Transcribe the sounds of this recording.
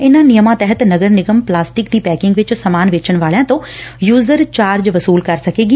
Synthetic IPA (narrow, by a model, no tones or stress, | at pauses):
ɪnãnijəmãt̪ɛɦət̪nɐɡəɾnɪɡəmplaːsʈɪkd̪iːpɛːkɪ̃ŋɡʋɪt͡ʃsɐmaːnʋeːt͡ʃəɽ̃ʋaːlijãt̪oːjuːzəɾt͡ɕaːɾd͡ʑʋɐsuːlkɐɾsɐkʰeːɡi